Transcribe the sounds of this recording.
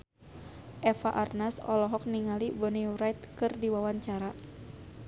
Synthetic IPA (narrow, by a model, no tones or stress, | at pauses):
ʔɛfaʔarnasɔ̰lɔɦɔk̚niŋalibɔniuɾajt̪̚kɨrdiwawaɲt͡ʃaɾa